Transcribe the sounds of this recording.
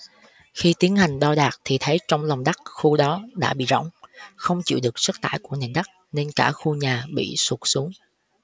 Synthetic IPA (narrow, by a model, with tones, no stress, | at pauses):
xi˧t̪i˨˦ənha˨˩jŋ̟ɗɔ˧ɗaː˨˩k̚t̪ʰi˨˩t̪ʰə˨˦jt͡ɕɔ˧wŋ͡mlɔ˨˩wŋ͡mɗa˦˥k̚xu˧ɗɔ˨˦ɗa̰ː˧˥ɓḭ˧˨zɔ̰˧˨wŋ͡mxə˧wŋ͡mt͡ɕḭ˧˨wɗɨ˨˩ək̚sə˦˥t̚t̪a̰ː˧˨jku˧˩əne˨˩nɗa˦˥k̚ne˧nkaː˧˩xu˧ɲaː˨˩ɓḭ˧˨su˨˩k̚su˨˦əŋ